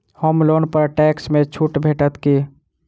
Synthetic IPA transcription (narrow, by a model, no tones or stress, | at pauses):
homlonpəɾʈɛksmẽt͡ʃʰuʈbʱeʈət̪ki